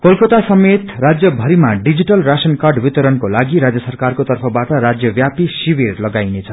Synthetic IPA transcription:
kolkʌt̪asʌmet̪rad͡zjʌbʱʌɾimaɖid͡ziʈʌlrasʌnkarɖbit̪ʌɾʌnkolaɡiɾad͡zjʌsʌrkarkot̪ʌrpʰʌbaʈʌɾad͡zjʌbjapisibirlʌɡajnet͡sʰʌ

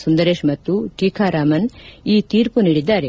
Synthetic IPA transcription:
sund̪ɐɾeːʂmɐt̪ːuʈiːkʰaːɾaːmɐniːt̪iːɾpuniːɽid̪ːaːɾe

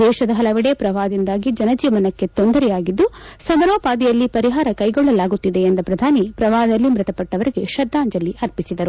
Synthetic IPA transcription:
d̪ɛːʃɐd̪ɐɦɐlɐʋiɽepɾɐʋaːd̪ind̪aːɡid͡ʒɐnɐd͡ʒiːʋɐnɐkːe̞t̪o̞nd̪ɐɾɛjaːɡid̪ːusɐmɐɾoːpaːd̪ijɐlːipɐɾiɦaːɾɐkɐjɡɔɭːɐlaːɡut̪ːid̪eːnd̪ɐpɾɐd̪ʱaːnipɾɐʋaːɦɐd̪ɐlːimɾɪt̪ɐpɐʈːɐʋɐɾiɡe̞ʃɐd̪ːaːɲd͡ʒɐlːiʔɐɾpisid̪ɐɾu

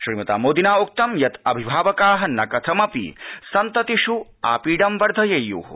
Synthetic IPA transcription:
ʃɾimɐt̪a̰ːmoːd̪inaːok̚t̪ɐmjɐt̪ɐbʱibʱaːʋɐkaːɦɐnɐkɐt̪ʰɐmɐpḭsɐnt̪ɐt̪iʃu | a̰ːpiːɖɐmʋɐɾd̪ʱɐjɐjːṵːɦṵ

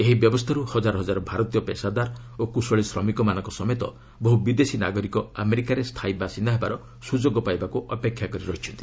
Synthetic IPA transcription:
eɦibjɔbɔst̪ʰaɾuhɔd͡ʒaɾɔɦɔd͡ʒaɾɔbʱaɾɔt̪ijɔpesad̪aɾ | okusɔɭisɾɔmikɔmanɔ̃ŋkɔsɔmet̪ɔ̰ | bɔɦubid̪esina̰ɡɔɾikɔameɾikaɾest̪ʰajbʱasind̪aɦebaɾɔ | sud͡ʒoɡɔpajbakuʔɔpekʰjakɔɾiɾɔɦit͡ʃʰɔnt̪i

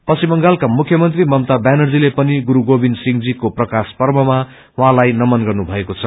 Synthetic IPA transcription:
pʌsimʌŋɡalkamukʰjʌmʌnt̪rimʌmt̪abanʌrd͡zilepʌniɡuɾuɡobinsiŋd͡zikoprʌkaspʌrmʌma | wɦãlajnʌmʌnɡʌrnubʱʌekot͡sʰʌ

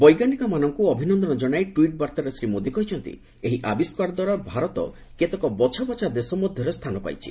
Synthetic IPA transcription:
bɔjɡanikɔmanɔŋkuɔbʱinɔnd̪ɔnɔd͡ʒɔɽ̃ajʈwiʈ̚baɾt̪aɾesɾimod̪ʱikɔɦit͡ʃʰɔnt̪ḭ | eɦiʔabiskwaɾd̪waɾɔbʱaɾɔt̪ɔ̰ | ket̪ɔkɔbɔt͡ʃʰabɔt͡ʃʰad̪esɔmɔd̪ʱjɔɾest̪ʰanɔpa̰jt͡ʃʰḭ

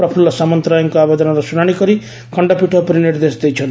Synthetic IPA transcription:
pɾɔpʰulɔsamɔnt̪ɾajɔŋkɔabed̪ɔnɔɾɔsunaɽ̃ikɔɾi | kɔɳɖɔpiʈʰɔpɔɾiniɾd̪esd̪ejt͡ʃʰɔn

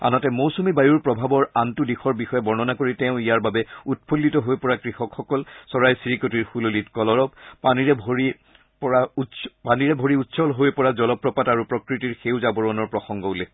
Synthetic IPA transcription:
a̰nɔtɛmowsumibajuɹpɹɔbʱabɔɹantudixɔɹbixɔjɛbɔɹnɔnakoɹitɛʊ̃ijaɹbabɛut̚pʰolːitɔɦojpɔɹakɹixɔkxɔkɔlsɔɹajsiɹikotiɹxulolitkɔlɔɹɔp̚paniɹɛbʱoɹi | pɔɹautspaniɹɛbʱoɹiutsɔlɦojpɔɹazɔlɔpːɹɔpataɹupɹɔkɹitiɹxewzabɔɹɔnɔɹpɹɔxɔŋɡɔulɛ

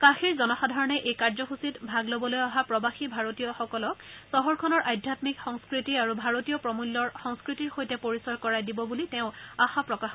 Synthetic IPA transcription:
kãxiɹzɔnɔxadʱaɹɔnɛʔejkaɹzɔxusitbʱaɡlobɔlojaɦapɹɔbaxibʱaɹotijɔxɔkɔlɔksɔɦɔɹkʰɔnɔɹʔajdʱjatmikxɔŋskɹitiaɹubʱaɹotijɔpɹɔmulːɔɹxɔŋskɹitiɹxojtɛpoɹisɔɹkɔɹajdibɔbulitɛʊ̃axapɹɔkax

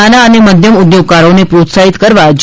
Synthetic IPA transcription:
anaəneməd̪ʱjəmud̪joɡ̚kaɾonepɾot̪saɦit̪kəɾʋad͡ʒ

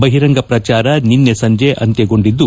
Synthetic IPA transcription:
bɐɦiɾɐŋɡɐpɾɐt͡ʃaːɾɐninːesɐɲd͡ʒeʔɐ̰nt̪eɡo̞ɳɖid̪ːu

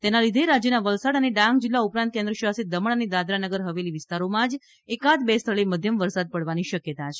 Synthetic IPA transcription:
t̪enalid̪ʱeɾad͡ʒjənaʋəlsaɽəneɖãŋɡ̚d͡ʒilːaupɾãnt̪̚kend̪ɾəʃəʋasit̪̚d̪əməɭəned̪ad̪ɾanəɡəɾɦəʋeliʋɪst̪aɾomãd͡ʒ | ekat̪best̪ʰəɭeməd̪ʱjəmʋəɾsad̪̚pəɽʋaniʃəkjət̪at͡ʃʰe̥

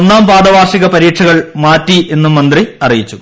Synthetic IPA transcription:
onːaːmpaːɽɐʋaːrʂiɣɐpɐɾiːʈʂʰɐɣɐɭmaːtːiʔe̞nːumːɐnd̪riɐrijit͡ɕːu

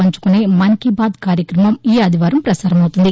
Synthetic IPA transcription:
ɐɲt͡ʃu̥kuneːmɐŋkibaːd̪kaːɾjɐkɾɐmɐmiːɐd̪ʱiʋaːɾɐmpɾɐsaːɾɐmɐwt̪und̪i

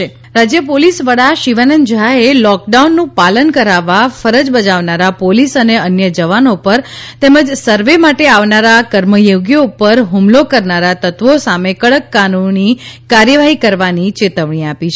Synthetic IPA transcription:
e | ɾad͡ʒjəpolisʋəɽaʃiʋanənd͡ʒaelɔk̚ɖaunːũpalənkəɾaʋːafəɾəd͡ʒbəd͡ʒaʋnaɾapolisəneənjəd͡ʒəʋanopəɾt̪eməd͡ʒsəɾʋemaʈeaʋnaɾakəɾməjoɡjoupəɾɦumlokəɾnaɾat̪ət̪ʋosamekəɭəkːanunikaɾjəʋaɦikəɾʋanit͡ʃet̪əʋɳ̃iapit͡ʃʰ

